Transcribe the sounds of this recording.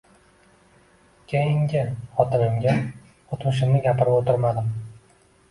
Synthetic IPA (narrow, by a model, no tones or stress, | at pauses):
kʲʰejɪŋɡʲɪχɒt̪ʰɪmɪmɡʲa | ot̪mʊʃ̬ɪmnɪɡʲapɪɾɪpot̪ʰɪɾmad̪ɪm